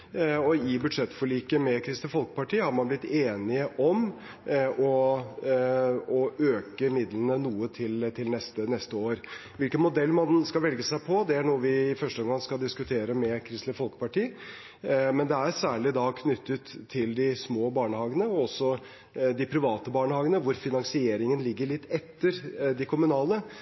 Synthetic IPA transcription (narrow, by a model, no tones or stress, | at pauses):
ɔɪbʉd̪ʂɛt̪ːfɔɭiːkəmɛkʰɾɪst̪ɪfɔlkə̥pɑʈiːəhɑɾmɑnblɪt̪ːeːnɪəʔɔm | ʔɔ | ɔøːkəmɪd̪lənənuːət̪ʰɪlt̪ʰɪlnɛst̪ənɛst̪əoːɾʋɪlkənmʊd̪ɛlːmɑnskɑʋɛlɡəsæɪpʰɔd̪ɛæɳuːəʋɪɪfœʂʈəɔmɡɑŋskɑld̪ɪskʉt̪ʰeːɾəmɛkʰɾɪst̪lɪfɔlkə̥pɑʈiː | mɛnd̪ɛæɾsæːɭɪd̪ɑkʰnʏt̪ːət̪ʰːɪld̪ɪsmoːbɑːɳəhɑːɡənəɔɔsːɔ | d̪ɪpʰɾɪʋɑːt̪əbɑːɳəhɑːɡənəʋʊɾfɪnɑŋsɪeːɾɪŋənlɪɡːəɭɪt̪ːɛt̪ːəɾd̪ɪkʰʊmʉnɑːlə